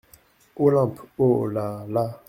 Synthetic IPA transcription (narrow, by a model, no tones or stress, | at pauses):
olãmpʰolala